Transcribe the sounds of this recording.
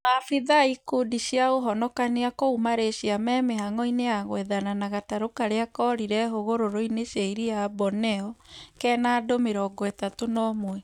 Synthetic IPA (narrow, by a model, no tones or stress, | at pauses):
afiðaikudiɕjaoɦɔnɔkaneakoumaɾeɕiamɛmeɦaŋɔineaɣwɛðananaɣataɾokaɾeakɔɾiɾɛɦoɣoɾoɾoineɕjaiɾiabɔnɛɔkɛnaːdomeɾɔɡwɛtatonɔmwɛ